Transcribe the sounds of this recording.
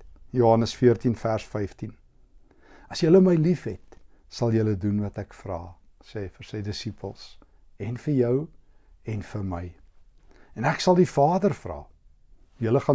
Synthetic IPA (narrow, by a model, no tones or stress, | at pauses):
juɦɐnəsfiərtinfærsfɛjftin | ɐsjələməjlifɦɛt | sɐlˠjələdunvɐtækfrɑ̰ː | sɛːfərsəjdəsipʰə̰lˠs | ɛnfərjœwɛnfərməj | ɛnæksɐlˠdifɑːdərfrɑ̰ː | jələχɑ